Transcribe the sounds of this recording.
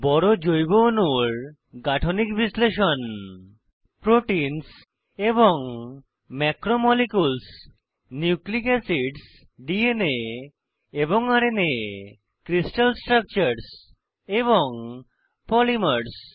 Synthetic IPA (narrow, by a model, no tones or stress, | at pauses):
bɔɽod͡ʑojbonuɾ | ɡaʈʰonikbisleʃɔn | pɾoʈins | eboŋ | mɛkɾomɔlikuls | niuklikasiɖs | ɖiene | eboŋaɾene | kɾisʈalsʈɾak̚t͡ɕaɾs | eβoŋ | pɔlimaɾs